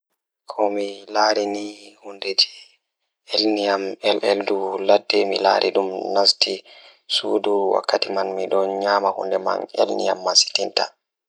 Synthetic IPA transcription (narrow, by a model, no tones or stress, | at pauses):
kʰɔmilaːɾinihundɛtʰɛ̥ | elnijamɛlʔɛlduladːɛmila̰ːɾʔḭɗumnasti | suːduwa̰kʰːatimanmiɗɔnɲaːmahṵndɛma̰nḛlnija̰mːasi̥tinta